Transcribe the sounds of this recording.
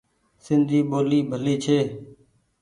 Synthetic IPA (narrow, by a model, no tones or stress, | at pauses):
sɪnd̪ʱiːɓoːliːbʱəliːt͡ʃʰeː